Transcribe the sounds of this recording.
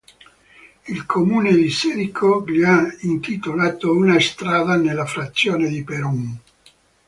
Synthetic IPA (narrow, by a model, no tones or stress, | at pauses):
ilkʰomuːned̪isɛɾikʰoliaint̪it̪olaːt̪ounast̪ɾaːd̪anelːafɾat̪sːjoːned̪ipeɾuŋ